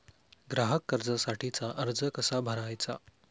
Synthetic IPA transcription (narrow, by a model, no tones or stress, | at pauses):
ɡɾaɦəkːəɾd͡zəsaʈʰit͡saʔəɾd͡zəkəsabʱəɾajt͡sa̰